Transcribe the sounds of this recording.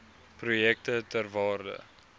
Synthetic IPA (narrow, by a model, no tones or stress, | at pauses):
prujɛk̚tətærvɑːrdə̰